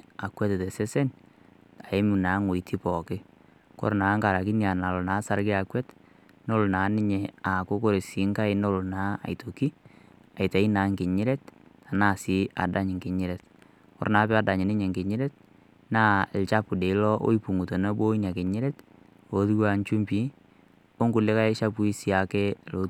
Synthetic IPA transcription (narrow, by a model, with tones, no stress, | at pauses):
a˨kwɛ˦tɛ˨tɛ˨se˦sɛ˦n | a˨ɪ˦mu˨na˨˦ŋo˨i˨tʰi˦pɔ˨kɪ˦ | kɔ̰˦ɾna˨˦ŋka˨ɾa˨kɪ˦nja˨na˨lo˨naː˨˦sa˦ɾkɪ˦a˨kwɛ˦t | no˦lo˨na˨˦nɪ˦ɲe˨a˨kʊ˦ko˦ɾe˨si˨˦ŋka˦ɪ˦no˦lʊ˨naː˨˦a̰˨jto˨ki˦ | a˨jta˨i˦na˨˦ŋkɪ˨ɲɪ˦ɾɛ˦t | a˨naː˦˨sɪ˦a̰˨da˦ɲ˨ŋkɪ˨ɲɪ˦ɾɛ˨t | kɔ̰˦ɾnaː˨˦pɛ˦a˦da˨ɲɪ˨nɪ˦ɲe˨ŋɡɪ˨ɲɪ˦ɾɛ˦t̚ | naː˦˨lt͡ʃa˦pu˨de˨ɪ˦lɔ˦ʔo̰˦i˦pu˨ŋu˨to˨no˦bo˦i˦na˨kɪ˨ɲɪ˦ɾɛ˦t | o˨˦tu˦wa˦nt͡ʃu˦mpi˦ | o˦ŋɡʊ˨lɪ˦ka˦ɪ˦ʃa˦pu˦i˦si˨˦a˨ke˦˨lo˦